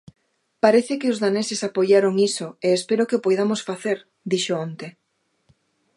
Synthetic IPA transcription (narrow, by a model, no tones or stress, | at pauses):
paɾeθɪkɪʊzðanesɪsapojaɾoŋisʊeespeɾokɪʊpojðamosfaθeɾ | d̪iʃoont̪e